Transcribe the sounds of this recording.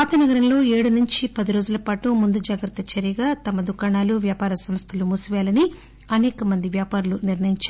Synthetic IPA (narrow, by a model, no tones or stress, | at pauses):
aːt̪ɐnɐɡɐɾɐmlo̞ːe̞ːɽunuɲt͡ʃipɐd̪iɾo̞ːd͡ʒulɐpaːʈumund̪ud͡ʒaːɡɾɐt̪ːɐt͡ʃɐɾijɐɡaːt̪ɐmɐd̪ukaːɳaːluʋjaːpaːɾɐsɐmst̪ʰɐlumusuʋjaːlɐni | ɐnɛːkɐmɐnd̪iʋjaːpaːɾuluniɾnɐjiɲt͡ʃa